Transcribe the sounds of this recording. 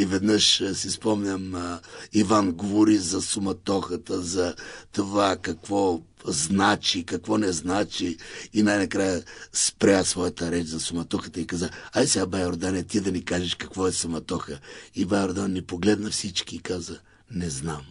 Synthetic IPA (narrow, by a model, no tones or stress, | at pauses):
ivɛd̪nəʃsispɔmnʲəmivanɡovoɾizɐsʊmɐt̪ɔxət̪əzɐt̪ovakɐkvɔ | znat͡ʃikɐkvɔnɛznat͡ʃiːnajnɐkɾajəspɾʲasvɔjət̪əɾɛt͡ʃzɐsʊmɐt̪ɔxət̪əikazaajsɛɡabajoɾd̪anɛt̪id̪ɐnikaʒɛʃkɐkvɔɛsʊmɐt̪ɔxəibajoɾd̪annipoɡlɛd̪nɐfsit͡ʃkiːkazə | nɛznam